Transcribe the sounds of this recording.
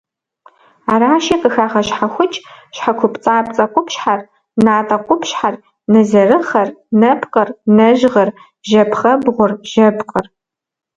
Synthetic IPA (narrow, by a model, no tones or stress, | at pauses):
aːɾaːʃiqʼəxaːʁɐɕħaxʷʊt͡ʃʼɕħakʷʊpʼt͡sʼaːp̚t͡sʼɐqʷʼʊpɕħar | naːtʼɐqʷʰʼʊpɕħar | nɐzɐrɨχɐrnɐpqʼɐrnɐʑʁɐr | ʒɐpʰχɐbʁʷʊrʒɐbqʼər